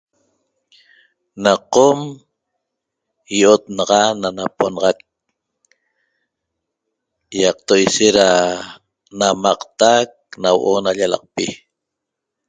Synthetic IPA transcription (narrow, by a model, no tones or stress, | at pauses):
naqom | jʔot̪̚nɑʁɑnanaponɑʁɑk̚ | jɑq̚t̪ojʃeɾa | namɑqt̪ak̚nawoʔonaʎalɑ̰q̚pi